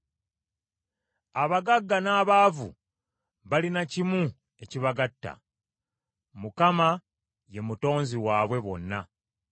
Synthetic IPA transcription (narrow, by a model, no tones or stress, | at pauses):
aβaɡaɡːanaːβaːvṵ | βalinacimu | e̞ciβaɡatːa̰ | mukama | je̞muto̞ːnziwaːβwe̞βo̞̰nːa